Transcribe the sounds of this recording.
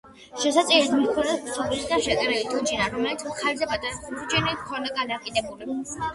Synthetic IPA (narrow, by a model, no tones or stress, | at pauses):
ʃɛsat̪sʼiɾɛd̪mit̪kʰɔnɛsp̪sʰɔblisd̪aʃɛkʼɛɾɛlit̪ʰʼud͡ʒinaɾɔmlɛlit̪sʰaχʰalzɛbad̪ʼaɾud͡ʒʼinikʰɔnaɡanaqʼid̪ɛbuli